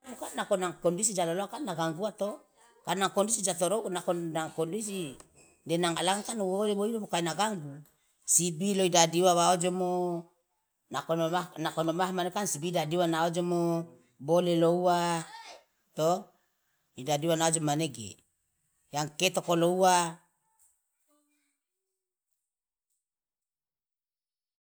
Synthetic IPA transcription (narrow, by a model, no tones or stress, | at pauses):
mukanːakonaŋkondisid͡ʒaloloakanːaɡaŋɡuat̪o | kanakondisid͡ʒat̪oɾonakonaŋkondis̬i | denaŋalaŋkanwoleboilomokainaɡaŋɡu | sibiloidadiwaβaod͡ʒomo | naoonakonomahmanekansibidadiwanaod͡ʒomo | boleloua | t̪o | idadiwanaod͡ʒomaneɡḛ | jaŋket̪okoloua